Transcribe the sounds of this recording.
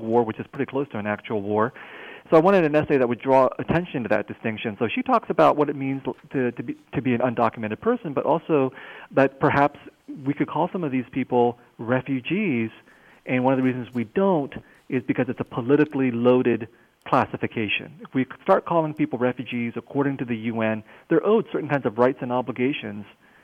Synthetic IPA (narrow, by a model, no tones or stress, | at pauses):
wɔɹwɨt͡ʃɨz̥pʰɹ̥ɪɾikʰl̥oʊstʰɨɨ̃næk̚t͡ʃul̩ˠwɔɹsoʊaɪwɑ̃ɾ̃ɨɾɨ̃nɛseɪðɨt̚wɨdɹɔɨtʰɛ̃nʃɨ̃ñntʰɨðɨ̰t̚d̥ɨstɪ̃ŋkʃɨ̃nsoʊʃitʰɔksɨbaʊʔ̚wʌɾɨt̚mĩnztʰɨtɨtʰɨbiɨ̃nə̃ndɑkjɨmɛ̃ɾ̃ɨd̚pʰɜ˞sɨ̃n̩bʌɾʔɔlˠsoʊðɨt̚pʰə˞ɦæpswikʰɨd̚kʰɔlˠsʌ̃mʌvðiz̥pʰipl̩ˠ | ɹɛfjʉd͡ʒiz̥ | ʔɨ̃nwʌ̃ñʌvðɨɹiz̃n̩zwidõʊ̃nt | ɪzbɨkʰʌzɨtsəpʰəlɪɾɨkliloʊɾɨd̚ | kʰl̥æsɨfɨkʰeɪʃɨ̰̃nɨfwistɑɹt̚kʰɔlˠɪ̃ŋpipl̩ˠɹɛfjʉd͡ʒizɨkʰɔɹɾɪ̃ŋtɨðɨjʉɛ̃nðə˞ʔoʊd̥sɜ˞ʔn̩kãɪ̃nzʌvɹaɪtsɨ̃nɑbləɡeɪʃɨ̃nz̥